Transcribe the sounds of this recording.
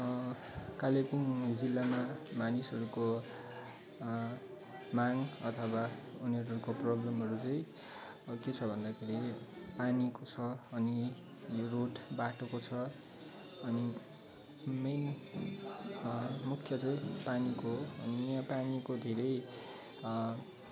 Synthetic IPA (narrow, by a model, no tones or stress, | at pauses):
kalepuŋd͡zilːamamanisɦʌɾuko | maŋʌt̪ʰʌwauniʌɾuʌɾukoprʌblʌmɦʌɾut͡sʌĩ | ket͡sʰʌbʱʌnd̪akʰeɾipanikot͡sʰʌːni | joroʈbaʈokot͡sʰʌ | ʌni | men | mukʰːjʌt͡sʌ̃ĩpanikoʌniãpanikod̪ʱeɾʌj